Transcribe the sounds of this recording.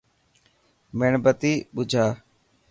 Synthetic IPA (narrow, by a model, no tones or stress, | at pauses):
meɳbət̪iːɓʊd͡ʒʱaː